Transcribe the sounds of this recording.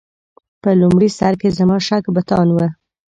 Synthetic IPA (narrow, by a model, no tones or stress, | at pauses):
pəlʊmɽisaɾkezamɑʃakbat̪ɑnwə